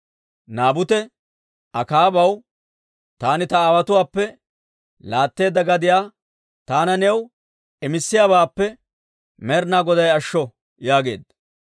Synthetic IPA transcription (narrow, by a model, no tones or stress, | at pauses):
naːbʊt̪ɛ | ɐkaːbɐw | t̪aːnɪt̪ɐaːwɐt̪ʊwaːpːɛ | laːt̪ːe̞ːd̪ːɐɡɐd̪ɪjaː | t̪aːnɐnɛw | ɛmɪsːɪjaːβaːpːɛ | mɛɾnaːɡɔd̪ɐjɐʃːɔ | jaːɡe̞̰ːd̪ɐ